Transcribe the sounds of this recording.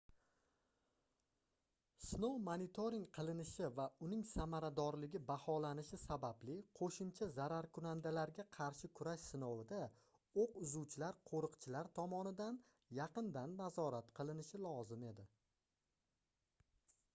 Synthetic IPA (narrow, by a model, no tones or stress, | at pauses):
snowmanit̪ʰoɾɪŋqʰɨlˠɪnɪʃɪvaʊnɪŋsamaɾad̪ɒɾlɪɡʲɪbahɒlanɪʃɪsabablɪqʰoʃʊmt͡ʃʰazaɾaɾkʰʊnand̪alaɾɡʲaqʰɑɾʃɪkʰʊɾaʃsɪnowɪd̪a | oqʊzuwt͡ʃʰɪlaɾqʰoɾɨqt͡ʃʰɪlaɾt̪ʰɒmɒnɪd̪an | jɑqɨnd̪anːazɒɾat̪qʰɨlˠɪnɪʃɪlˠɒzɪme̞d̪ɪ